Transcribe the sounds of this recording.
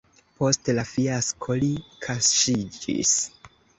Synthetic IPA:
po̞stlafiaskʰolikʰasʃid͡ʒḭs

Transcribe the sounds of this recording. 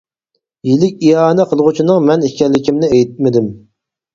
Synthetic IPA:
jilɪkʲiɑːnɛqʰəlˠʁut͡ʃʰinɨŋmɛnikʲɛlːɪkʲimnɪejt̪̚mɪd̪ɪm

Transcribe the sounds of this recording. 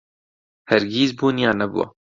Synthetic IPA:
hɛɾɡiːzbuːnijaːnɐbṵwa̰

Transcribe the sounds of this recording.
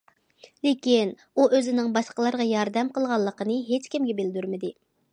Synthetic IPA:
lekʲin | uʔøzɪnɪŋbɑʃqəlˠɑɾʁɑjɑɾd̪ɛmqʰəlˠʁɑlˠːəqənɨɦet͡ʃkʲimɡʲɛbɪld̪yɾmɪd̪ɪ

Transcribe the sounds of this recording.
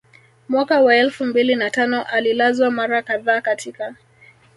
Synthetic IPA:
mwakawaɛlfumbilinatanɔʔalilazwamaɾakaðaːkatʰika

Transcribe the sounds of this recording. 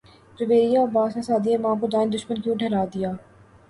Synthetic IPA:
pɾəʋeːɾijabaːsasaːd̪iemãːkod̪aːɪnd̪ʊʃmənk̬ijũɖʱɐɾaːd̪ɪjaː

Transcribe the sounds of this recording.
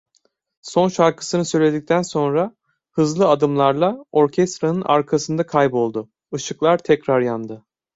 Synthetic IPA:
so̞nʃaɾkʰɯ̥sɯnɯsø̞jlʲe̞d̪ic̚t̪ʰænso̞nɾa | hɯzlˠɯad̪ɯmlˠaɾlˠao̞ɾcʰɛst̪ɾanɯnʔa̰ɾkʰasɯnd̪akʰajbo̞lˠd̪ʊ | ɯʃɯklˠaɾt̪ʰɛcɾaɾjand̪ɯ

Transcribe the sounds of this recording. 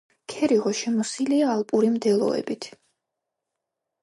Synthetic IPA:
kʰɛɾiʁɔʃɛmɔsiliaːlˠpʼuɾimd̪ɛlˠɔ̰ɛ̰bit̪ʰ

